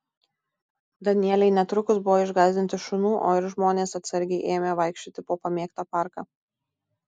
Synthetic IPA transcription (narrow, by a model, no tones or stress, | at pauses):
d̪ɐnʲɪɛlʲɛɪnʲɛt̪ɾʊkʊsbʊʋoːɪʒɡɑːzʲd̪ʲɪnt̪ʲɪʃʊnuːʔo̰ːɪɾʒmoːnʲeːsɐt̪sɐɾʲɡʲɛɪʔeːmʲeʋɐˑɪkʃʲt͡ʃʲoːt̪ʲɪpoːpɐmʲeːkt̪ɐːpɑˑɾkɑː